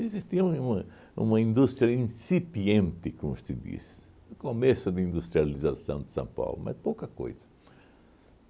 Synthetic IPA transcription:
ezist̪iɐ̃ũmɐ | ṵ̃mɐĩnd̪ust̪ɾiɐĩsipiẽnt̪ɪkomʊst̪ɪd̪ḭs | ʊkomesʊd̪ɪĩnd̪ust̪ɾializasɐ̰̃w̃d̪ɪ̥sɐ̰̃w̃pa̰wlʊ̰ma̰spowkɐko̰jzɐ

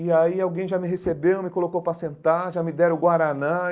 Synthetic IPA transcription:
ɪaiawɡẽj̃ʒamɪɦesebewmɪkolokowpɾasẽnt̪aʒamɪd̪ɛɾʊ̃ɡwaɾanã

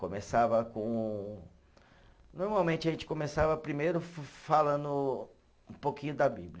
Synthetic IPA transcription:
kõmesavɐkõ | noɾmawmẽnt͡ʃɪɐʒẽnt͡ʃɪ̥kõmesavɐpɾimejɾʊfalɐ̃nd̪ʊ | ũpokĩɲʊd̪ɐbiblʲɐ

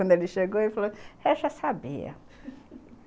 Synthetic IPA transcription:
ɐ̃nd̪eliʃeɡoifalohɛʃasabḭɐ̰

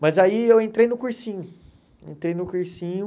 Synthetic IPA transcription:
mɐzaiewẽnt̪ɾejnʊkuɾsĩɲʊ | ḛ̃nt̪ɾejnʊkuɾsĩɲʊ

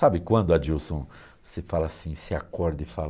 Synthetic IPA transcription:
sabɪkwɐ̃nd̪ʊɐd͡ʒusõ | sɪfalɐasĩsɪakɔɾd̪ɪfal

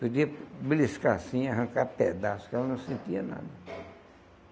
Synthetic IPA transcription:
pod̪iɐbliskaasĩaɦɐ̃kaped̪asʊ̥kɛlɐnɐ̃w̃sẽnt̪iɐna̰d̪ɐ

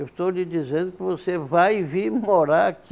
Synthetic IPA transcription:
ewst̪owlid͡ʒizẽnd̪ʊkɪvosevajviɾmoɾaɾak

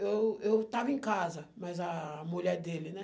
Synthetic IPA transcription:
ewewt̪avɐẽkazɐmɐjzɐmuʎɛɾd̪elɪnɛ

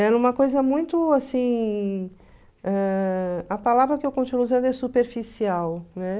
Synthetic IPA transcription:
ɛũmɐkojzɐmũj̃t̪ʊasĩ | ɛ | ɐpalavɾɐkɪewkõnt͡ʃinuzẽnd̪ʊɛsupeɾfisiawnɛ

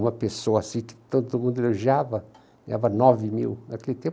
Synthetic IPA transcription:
ũmɐpesoɐasĩkɪ̥t̪od̪d̪ʊmũd̪ʊeloʒiavɐ | a̰vɐnɔvɪmḭwnakelɪt̪ẽ

